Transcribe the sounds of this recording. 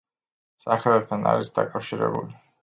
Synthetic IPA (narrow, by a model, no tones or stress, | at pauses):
sʼaχɛlɛp̚t̪ʰanaɾisd̪akʼafʃiɾɛ̰buli